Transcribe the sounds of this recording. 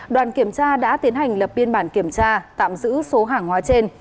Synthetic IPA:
ɗwaː˨˩nki˧˩əmt͡ɕaː˧ɗa̰ː˧˥t̪i˨˦ənɦa˨˩jŋ̟lə˨˩p̚ɓi˧ənɓaː˧˩nki˧˩əmt͡ɕaː˧t̪a̰ː˧˨mzɨ̰˧˥so˨˦ɦaː˨˩ŋhwaː˨˦t͡ɕe˧n

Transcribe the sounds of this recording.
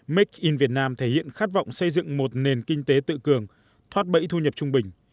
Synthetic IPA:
mi˦˥k̚ʔi˧nvi˨˩ət̚naː˧mt̪ʰe˧˩hḭ˧˨ənxaː˦˥t̚va̰˧˨wŋ͡msə˧jzɨ̰˧˨ŋmo˨˩t̚ne˨˩nkï˧ŋ̟t̪e˨˦t̪ɨ̰˧˨kɨ˨˩əŋ | t̪ʰwaː˦˥t̚ɓə̰˧˥jt̪ʰu˧ɲə˨˩p̚t͡ɕʊ˧ŋ͡mɓï˨˩ŋ̟

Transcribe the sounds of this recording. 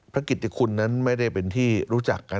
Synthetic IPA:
pʰɾa˦˥kːi˨˩t̪ʰːa˧kʰu˧nːa˦˥nma˥˩jda˥˩jpe˧nt̪ʰiː˥˩ɾuː˦˥t͡ɕa˨˩kːa˧

